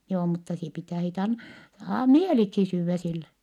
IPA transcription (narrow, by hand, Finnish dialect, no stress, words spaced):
joː mutːɑ sie pitæ sit ɑn ɑ mieliksi syːʋːæ silːe